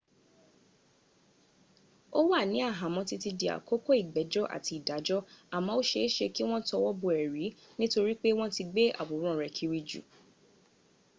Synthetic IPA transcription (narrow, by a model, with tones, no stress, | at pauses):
o˦wa˦˨nĩ˨˦a˦˨ɦã˨mɔ̃˧ti˧ti˧di˨a̰˨ko˦ko˦i˦˨ɡ͡bɛ˨˦d͡ʒɔ˦ʔa̰˨ti˧i˨da˨˦d͡ʒɔ˦a˨mã˨˦o˦ʃe˧˦ʃe˧ki˦w̃ɔ̃˦tɔ˧wɔ˦bo˧ɛ˨ɾi˨˦ | nĩ˦to˧ɾi˦k͡pe˦w̃ɔ̃˦ti˧ɡ͡be˦a̰˨bo˨˦ɾ̃ɔ̃˦˨ɾɛ˨kʰi˧˦ɾi˧d͡ʒṵ˨